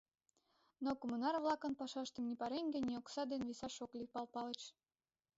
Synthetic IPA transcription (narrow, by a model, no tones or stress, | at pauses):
nokomunɑrβlɑkə̆npɑʃɑʃt̪əmnipɑɾeŋɡĕnʲioksɑd̪enβisɑʃoklʲipɑlpɑlə̆t͡ɕ